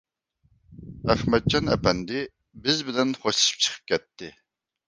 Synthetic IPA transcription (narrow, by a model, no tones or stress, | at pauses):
æχmɛd̪̚d͡ʒʰɑnɛ̰pɛnd̪ɪ | bɪzbɪlɛnχoʃɨ̥ʃɨ̥p̚t͡ʃʰə̥qʰɨ̥p̚kʲɛt̪ʰːɪ